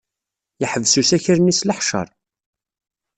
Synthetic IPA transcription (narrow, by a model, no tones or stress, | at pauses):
jəħəvsusæçəɾnisləħʃə̰ɾˤ